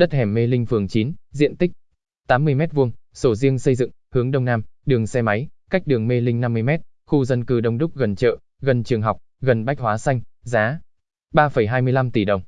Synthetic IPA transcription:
ɗə˦˥t̚hɛ˧˩mːe˧lï˧ŋ̟fɨ˨˩əŋt͡ɕi˨˦nzḭ˧˨ənt̪ï˦˥k̚ | t̪aː˨˦mːɨ˧əjmɛ˦˥t̚vu˧əŋso˧˩zi˧əŋsə˧jzɨ̰˧˨ŋhɨ˨˦əŋɗə˧wŋ͡mnaː˧mɗɨ˨˩əŋsɛ˧ma˨˦jka˦˥k̟̚ɗɨ˨˩əŋme˧lï˧ŋ̟na˧mːɨ˧jmɛ˦˥t̚xu˧zə˧nkɨ˧˩ɗə˧wŋ͡mɗʊ˦˥k͡p̚ɣə˨˩nt͡ɕə̰ː˧˨ | ɣə˨˩nt͡ɕɨ˨˩əŋɦa˨˩wk͡p̚ɣə˨˩nɓa˦˥jk̚hwaː˨˦sa˧jŋzaː˨˦ | ɓaː˧fə˧˩jɦaː˧jmɨ˧əjla˧mt̪i˧˩ɗə˨˩wŋ͡m

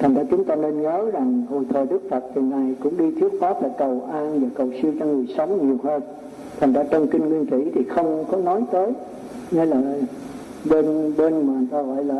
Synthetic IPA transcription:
t̪ʰa˨˩ŋ̟za̰ː˧t͡ɕʊ˨˦ŋ͡mt̪aː˧ne˧nɲəː˨˦za˨˩ŋho̰˧˨jt̪ʰəː˨˩ɗɨ˦˥k̚fə˨˩t̚t̪ʰi˨˩ŋa˨˩jkʊ̰˧˥ŋ͡mɗi˧t̪ʰi˦˥ət̚faː˦˥p̚laː˨˩kə˨˩wʔaː˧nvaː˨˩kə˨˩wsɨ˧əwt͡ɕɔ˧ŋɨ˨˩əjsə˨˦wŋ͡mɲi˨˩əwhəː˧n | t̪ʰa˨˩ŋ̟zaː˧˥t͡ɕə˧wŋ͡mkï˧ŋ̟ŋwi˧nkḭ˧˥t̪ʰi˨˩xə˧wŋ͡mkɔ˨˦nɔ˨˦jt̪əː˨˦j | ne˨˦laː˨˩ | ɓe˧nɓe˧nmaː˨˩˨nt̪aː˧ɣɔ̰˧˨jlaː˨˩

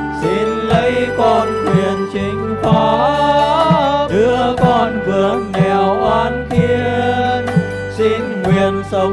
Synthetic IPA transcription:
si˧nlə˨˦jkɔ˧nŋwḭ˨˩ənt͡ɕi˧˩ŋ̟fɔ˨˦ | ɗɨ˨˧˥əkɔ˧nvɨ˨˩əŋŋɛ˨˩wʔaː˧˥nt̪ʰi˧ən | si˧nŋwi˨˩ənsə˨˧˦

